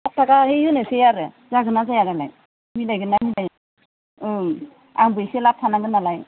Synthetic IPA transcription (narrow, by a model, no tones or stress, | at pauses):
ap̚tʰakahejɯnesejaɾɯ | zaɡɯnazajaɾala̰j | milajɡɯnamilaj | ɯ | a̰ŋbɯjselap̚tʰanaɡɯnalaj